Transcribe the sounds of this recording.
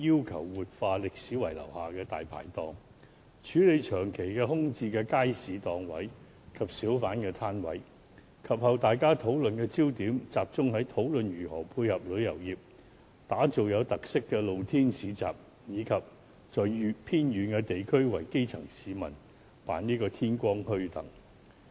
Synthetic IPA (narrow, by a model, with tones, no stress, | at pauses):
jiː˥wkʰɐ˨˩wwuː˨t̚faː˧lɪ˨k̚siː˨˥wɐ˨˩jlɐ̰˨˩whaː˨kɛː˧t̪a̰ː˨jpʰa̰ː˨˩jt̪ɔː˨ŋ | t͡ʃʰyː˨˥le˨˧jt͡ʃʰœː˨˩ŋkʰe˨˩jkɛː˧ɦʊ˥ŋt͡siː˧kɛː˧kaː˥jsiː˨˧t̪ɔː˨ŋwɐ̰˨˥j | kʰɐ˨p̚siː˨˥wfaː˨˥nkɛː˧t̪ʰaː˥nwɐ̰˨˥j | kʰɐ˨p̚hɐ˨˧wt̪aː˨jkaː˥t̪ʰo˨˥wlɵ˨nkɛː˧t͡siː˥wt̪iː˨˥mt͡saː˨p̚t͡sʊ˥ŋhɐ˨˥jt̪ʰo˨˥wlɵ˨nɥyː˨˩hɔː˨˩pʰuː˧jhɐ˨p̚lɵ˨˧ɥjɐ̰˨˩wjiː˨p̚ | t̪aː˨˥t͡so˨wjɐ˨˧wt̪ɐ˨k̚sɪ˥kːɛː˧lo˨wt̪ʰiː˥nsiː˨˥t͡sa̰ː˨p̚ | jiː˨˧kʰɐ˨p̚ | t͡sɔː˨jy˨˧pʰiː˥nɥyː˨˧nkɛː˧t̪e˨jkʰɵ˥ɥwɐ̰˨˩jke˥jt͡sʰɐ̰˨˩ŋsiː˨˧mɐ̰˨˩n | pa̰ː˨˥niː˥kɔː˧t̪ʰiː˥nkʷɔː˥ŋhɵ˥ɥt̪ɐ̰˨˩ŋ